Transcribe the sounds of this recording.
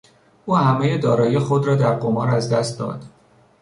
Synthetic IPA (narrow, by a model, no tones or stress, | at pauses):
ʔuːhæmejed̪ɒːɾɒːjexod̪ɾɒːd̪æɾɡo̞mɒːɾæzd̪æst̪̚d̪ɒ̰ːd̪̥